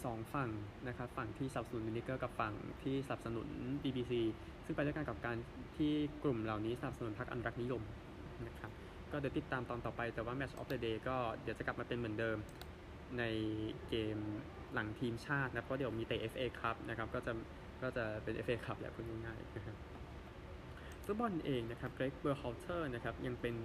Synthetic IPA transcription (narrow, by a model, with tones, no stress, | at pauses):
sɔː˩˦ŋfa˨˩ŋna˦˥kʰa˦˥p̚fa˨˩ŋt̪ʰiː˥˩sa˧na˨˩psa˧nu˩˦mji˧ni˦˥kːɤː˥˩ka˨˩p̚fa˨˩ŋt̪ʰiː˥˩sa˧na˨˩p̚sa˧nṵ˨˩˦nbiː˧biː˧siː˧ | sɯ˥˩ŋpa˧jdaː˥˩ka˧nka˨˩p̚kaː˧nt̪ʰiː˥˩klu˨˩mla˨˩wniː˦˥sa˧na˨˩p̚sa˧nu˨˩˦npʰa˦˥k̚ʔa˧nu˧ɾa˦˥k̚ni˦˥jo˧m | na˦˥kʰa˦˥p̚ | kɔ˥˩di˧˩˦t̪i˨˩t̪ːaː˧mt̪ɔː˧nt̪ɔː˨˩pa˧jt̪ɛː˨˩waː˥˩mɛ˦˥t͡ɕʰʔɔ̰ː˦˥p̚dɤː˧deː˧kɔː˥˩di˩˦t͡ɕa˨˩kla˨˩pmaː˧pe˧nmɯ˩˦ndɤː˧m | na˧jkeː˧m | la˩˦ŋt̪ʰiː˧mt͡ɕʰaː˥˩t̪̚na˧˦˥pʰːɔː˥˩di˩˦˧miː˧t̪eː˨˧ʔe˦˥fʔeː˧kʰɾa˦˥p̚na˦˥kʰa˦˥p̚kɔː˥˩t͡ɕa˨˩ | kɔː˥˩t͡ɕa˨˩pe˧nʔḛ˦˥fʔeː˧kʰa˦˥p̚lɛ̰˦˥pʰu˥˩ŋa˥˩ŋaː˥˩jna˦˥kʰa˦˥p̚ | fʰu˦˥bɔ˧nʔeː˧ŋna˦˥kʰa˦˥p̚kɾeː˦˥k̚bəː˧xa˧˥wt̪ʰɤː˥˩na˦˥kʰa˦˥p̚ja˧ŋpe˧n